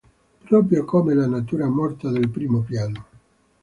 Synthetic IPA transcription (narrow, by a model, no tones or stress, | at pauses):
pɾɔːp̬ɾjokomelanat̪uːɾamɔrt̪ad̪elpɾiːmopjaːno